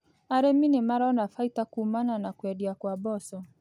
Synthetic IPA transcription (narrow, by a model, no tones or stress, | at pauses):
aɾɛminɪmaɾaɔnafaitakuːmananakwɛdiakwabɔsɔ